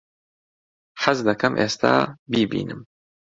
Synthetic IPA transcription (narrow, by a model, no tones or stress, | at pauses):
ħazd̪ɐkɐmʔḛːst̪a̰ːbiːbḭːnɨm